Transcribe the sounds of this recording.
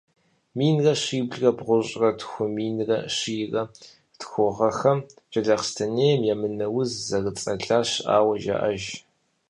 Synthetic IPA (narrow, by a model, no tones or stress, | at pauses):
miːnrɐɕiːbɮrɐbʁʷʊɕʼrɐtxʷʊmiːnrɐ̰ʂiːrɐ | tʰxʷʊʁɐxɐmt͡ʃʼɐɮɐqstʰɐneːjmjamɨnɐwʊzzɐrɨt͡sʼɐɮaːɕʔa̰ːwɐʒa̰ʔɐʒ